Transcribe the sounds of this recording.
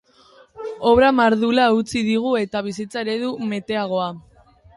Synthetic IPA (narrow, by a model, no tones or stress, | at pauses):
o̞βɾamaɾðulaut͡siðiɣ̞ue̞t̪aβ̞isit͡sae̞ɾe̞ðume̞t̪e̞aɣ̞o̞a